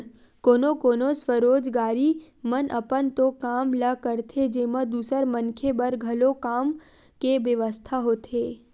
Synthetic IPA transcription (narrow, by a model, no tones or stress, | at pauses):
koːnokoːnosʋəɾoːd͡ʒɡaːɾi | mənəpənt̪okaːmləkəɾt̪ʰed͡ʒeːmə̃d̪uːsəɾmənkʰebəɾɡʱɐlokaːm | keʋjəʋəst̪ʰaɦoːt̪ʰeː